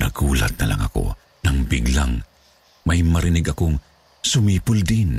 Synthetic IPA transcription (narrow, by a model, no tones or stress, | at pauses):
nɐɡuːla̰t̪̚nɐlʔa̰ŋɐ̰ko̰ | nɐŋbiɡla̰ŋ | majmɐɾɪnɪɡʔɐkoŋ | sʊmiːpʊld̪in